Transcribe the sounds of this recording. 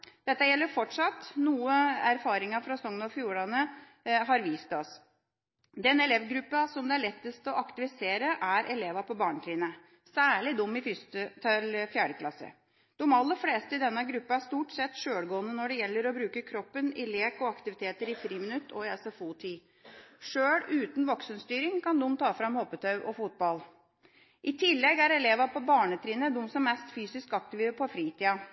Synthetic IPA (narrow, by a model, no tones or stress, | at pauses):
d̪̥ɛt̪ːəjɛlːəɾfɔʈʂɑt̪ːnuːəæɾfɑːɾɪŋɑfɾɑsɔŋnɔfjuːɭɑnːə | ɦɑɾʋiːst̪ɔs | d̪ɛnɛlɛʋɡɾʉpːɑsɔmd̪ɛæɭɛt̪ːəst̪ɔʔɑkt̪ɪʋɪseːɾəʔæɾʔɛleːʋɑpʰɔbɑːɳt̪ɾiːnə | sæːɭɪd̪ʊmːɪfʏst̪ət̪ʰɪlfjæːɖəkʰlɑ̰sːə̰ | d̪̥ɔmɑlːəfleːst̪əɪd̪ɛnːəɡɾʉpːɑæʂt̪uːʈsɛt̪ːʂøːɽɡoːənənɔɖɛjɛlːəɾɔbɾʉːkəkʰɾɔpːənɪleːkɔɑkt̪ɪʋɪt̪ʰeːt̪əɾɪfɾiːmɪnʉt̪ʰːɔɪɛsɔfuːt̪ʰiː | ʂøːɽʉːt̪nʋɔksənst̪yːɾɪŋkʰɑnd̪ʊmːt̪ʰɑːfɾɑmhɔpːət̪ʰɑʉʔɔfut̪̚bɑl | ʔɪt̪ʰɪlːɛɡæɾɛleːʋɑpʰɔbɑːɳət̪ʰɾiːnəd̪ʊmsɔmːɛst̪fyːsɪskɑk̚t̪ɪʋiəpʰɔfɾiːt̪ʰiːɑ